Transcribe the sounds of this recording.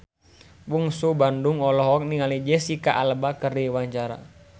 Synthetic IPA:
buŋsubanduŋɔlɔɦɔk̚niŋalid͡ʒɛsikaʔalbakəriwaɲt͡ʃaɾa̰

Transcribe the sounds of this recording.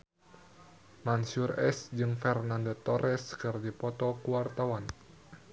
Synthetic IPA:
mansurɛ̰sd͡ʒɨŋfɛrnandot̪ɔɾʔɛskɨrdipɔt̪ɔkuwart̪awan

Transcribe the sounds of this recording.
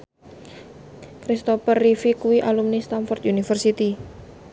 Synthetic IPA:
kɾist̪opərːifikuwiʔalumnist̪anfɔrt̪ʔunifərsit̪i

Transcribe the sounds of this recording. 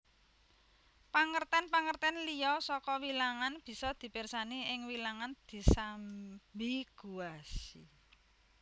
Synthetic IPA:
paŋərt̪ɛnpaŋərt̪ɛnlijɔsɔkɔwilaŋanb̥i̤sɔd̪̥i̤persaniɪŋwilaŋand̪̥i̤sambiɡ̥ṳasi

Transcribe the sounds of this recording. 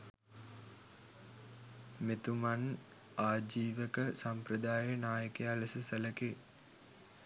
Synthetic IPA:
met̪uman | aːd͡ʒiːʋəkəsampɾəd̪aːjənaːjəkealəsəsələke

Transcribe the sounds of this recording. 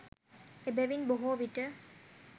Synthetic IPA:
ebɛʋinboɦoːʋiʈə

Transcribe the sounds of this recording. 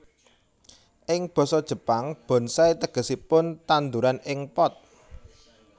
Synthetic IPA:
ʔɪŋb̥ɔ̤sɔd̥ʒ̥ə̤paŋb̥ɔ̤nsait̪əɡ̥ə̤sipʊnt̪and̪uɾanɪŋpɔt̪̚

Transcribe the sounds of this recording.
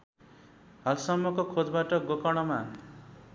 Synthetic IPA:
ɦalsʌmːʌkokʰod͡zbaʈʌɡokɔɽ̃ʌma

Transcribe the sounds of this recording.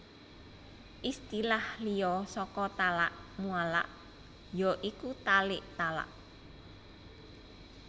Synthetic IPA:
ʔist̪ilahlijɔsɔkɔt̪alaʔmuala̰ʔ | jɔʔikut̪alɪʔt̪ala̰ʔ

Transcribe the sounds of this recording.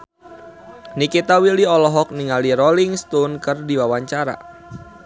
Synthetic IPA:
nikit̪awiliɔlɔɦɔk̚niŋaliɾɔliŋst̪unkərdiwawaɲt͡ʃaɾa̰

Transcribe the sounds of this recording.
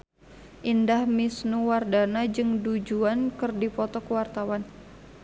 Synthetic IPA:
ʔindahmisnuwardanad͡ʒɨŋdud͡ʒuankɨrdipɔt̪ɔkəwart̪awan

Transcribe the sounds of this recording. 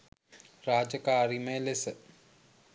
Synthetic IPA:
raːd͡ʒəkaːɾiməlesə

